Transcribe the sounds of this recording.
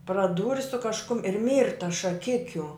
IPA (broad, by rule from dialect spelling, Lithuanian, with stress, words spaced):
prɐˈduːrʲɪ sʊ kɐʃˈkʊm ɪr ˈmʲiːrtɐs ʃɐˈkʲɪkʲʊ